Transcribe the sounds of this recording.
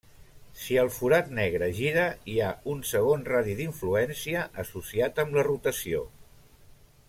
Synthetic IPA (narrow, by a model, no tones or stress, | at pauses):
siəlˠfuɾat̪nɛɣ̞ɾəʒiɾəiaunsəɣ̞onraðiðiɱfluɛnsiəʔəsusiat̪əmlərut̪əsio̰